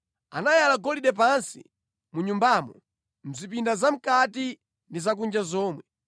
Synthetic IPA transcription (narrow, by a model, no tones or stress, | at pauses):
anajalaɡɔliɗɛp̬ansi̥̰ | muɲumbamɔ | m̩zipindazam̩kati | ndizak̬und͡ʒazɔːmwɛ